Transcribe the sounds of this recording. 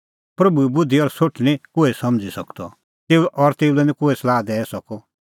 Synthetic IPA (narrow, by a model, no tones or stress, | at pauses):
pɾɐbuɛbʊd̪ʱiɔɾsoʈʰñĩkoːɛsɐmd͡zisɐkt̪ɔ̰ | t̪eːuʔɔɾt̪eːulɛnĩkoːɛslaːd̪ɛːɛsɔkɔ